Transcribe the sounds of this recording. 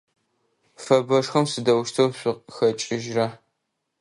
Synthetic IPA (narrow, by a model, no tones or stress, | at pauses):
fɐbɐʂxɐmsɨdɐwʃtʰɐwɕʷʊxɐt͡ʃʼɪʒrɐ